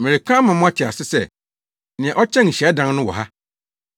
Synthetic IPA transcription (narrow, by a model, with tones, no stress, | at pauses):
mɪ̃˨e˨kʰã˦mã˨mʊ̃˦a˦tʰɪ˨a˨sɪ˦sɛ˦˨ | nɪ̃˨ɛ̃˨ʔɔ˦t͡ɕʰɛ̃˦n̩˨ɕɛ˨˦dã˦n˦nʊ̃˦wɔ̰˨ɦa˦